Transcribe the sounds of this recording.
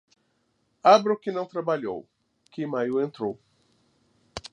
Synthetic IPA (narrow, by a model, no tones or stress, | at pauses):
abɾokɪnɐ̃w̃t̪ɾabaʎo̰w | kɪmajuẽnt̪ɾow